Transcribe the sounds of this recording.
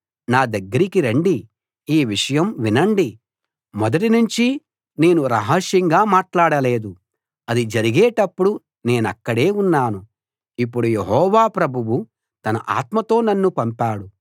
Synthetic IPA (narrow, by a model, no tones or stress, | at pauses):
naːd̪ɐɡːɐɾikiɾeɳɖi | iːʋiʂɐjɐmʋinɐɳɖi | mɔd̪ɐʈinuɲt͡ʃi | ne̞ːnuɾɐɦɐʂjɐŋɡaːmaːʈlaːɽɐle̞ːd̪u | ɐd̪id͡ʒɐɾiɡeːʈɐpːuɽu | ne̞ːnɐkːɐɽe̞ːunːaːnu | ipːuɽujeɦɔːʋaːpɾɐbʱuwu | t̪ɐnɐʔa̰ːt̪mɐt̪o̞ːnɐnːupɐmpaːɽu